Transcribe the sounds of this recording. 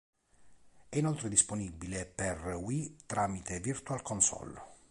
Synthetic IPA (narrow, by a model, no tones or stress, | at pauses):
ɛinɔlt̪ɾed̪isponibileperwit̪ɾaːmit̪evirt̪ualkonsɔ̰lːo